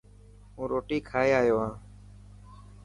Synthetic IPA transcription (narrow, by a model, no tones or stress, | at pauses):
ũːɾoːʈiːkʰaːeːaːjoːãː